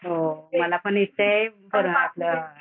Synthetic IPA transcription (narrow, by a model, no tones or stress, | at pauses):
oməlapəɳit̪ːəj | bəɾunat̪lə